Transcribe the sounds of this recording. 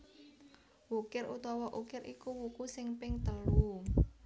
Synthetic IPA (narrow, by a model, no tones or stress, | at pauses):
wukɪrʔut̪ɔwɔʔukɪɾʔikuwukusɪŋpɪŋt̪əlu